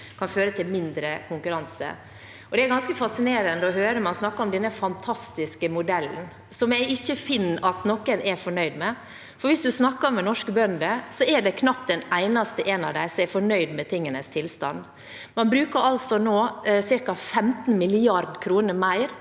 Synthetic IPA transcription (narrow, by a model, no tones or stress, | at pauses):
kʰɑnføːɾət̪ʰɪlmɪnd̪ɾəkʰʊŋkʉɾɑnsə̰ | ɔd̪ɛæɾɡɑnskəfɑsɪneːɾənd̪əɔɦøːɾəmɑnsnɑkːəɔmd̪ɛnːəfɑnt̪ʰɑst̪ɪskəmʊd̪ɛlːn̩ | sɔmjæɪɪçːəfɪnːɑt̪nɔkːənʔɛɾfɔɳœʏd̪mɛ | fɔɾʋɪsd̪ʉsnɑkːəmɛnɔʂkəbœnd̪əsɔɛɖɛkʰnɑp̚ːd̪ɛnæɪnɑst̪əʔɛnɑʋd̪æɪsɔmɛfɔɳœʏd̪mɛt̪ʰɪŋːənəst̪ʰɪlst̪ɑ̰n | mɑnbɾʉːkəɾɑlsɔnoːsɪɾkɑfɛmt̪n̩mɪlɪɑɾd̪kʰɾuːnəɾmæɪɾ